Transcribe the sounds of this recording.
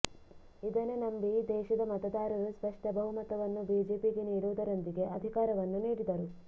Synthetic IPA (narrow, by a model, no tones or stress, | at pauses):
id̪ɐnenɐmbid̪ɛːʃɐd̪ɐmɐt̪ɐd̪aːɾɐɾuspɐʂʈɐbʱɐɦumɐt̪ɐʋɐnːubiːd͡ʒeːpiɡeniːɽuʋud̪ɐɾɐnd̪iɡe̞ʔɐd̪ʱikaːɾɐʋɐnːuniːɽid̪ɐɾu